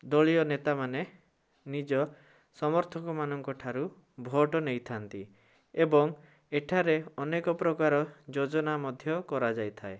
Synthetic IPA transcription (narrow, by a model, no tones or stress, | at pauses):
d̪ɔɭiɔnet̪amane | nid͡ʒɔ | sɔmɔɾt̪ʰɔkɔmanɔŋkɔʈʰaɾu | bʱɔʈɔnejt̪ʰant̪i | ebɔŋ | eʈʰaɾeɔnekɔpɾɔkaɾɔd͡ʒod͡ʒɔnamɔd̪ʱjɔkɔɾad͡ʒajt̪ʰae